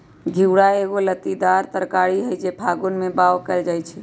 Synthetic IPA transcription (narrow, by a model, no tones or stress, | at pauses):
ɡʱiwɽaeɡolət̪id̪aɾt̪əɾkaɽiɦəjd͡ʒepʰaɡonmebawkəɪld͡ʒajt͡ʃʰɛ